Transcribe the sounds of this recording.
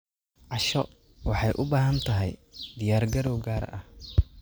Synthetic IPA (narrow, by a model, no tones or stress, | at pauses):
ʕɑʃɔ | wɑħɑjʔʊbaːɦɐnt̪ʰɐɦɛ̰jd̪ɪjaːrɡɐɾɔwɡaːɾ̰ʔɐh